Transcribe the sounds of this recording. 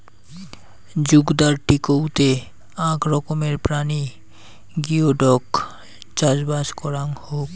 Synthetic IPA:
d͡ʑuɡd̪aɾʈikowt̪e | ãkɾɔkomeɾpɾani | ɡioɖɔk | t͡ɕad͡ʑbaʃkɔɾaŋhok

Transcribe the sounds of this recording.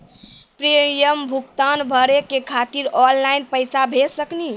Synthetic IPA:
pɾijəmbʱukt̪anbʱəɾekekʰat̪iɾɔllajnpəjsabʱesəkni

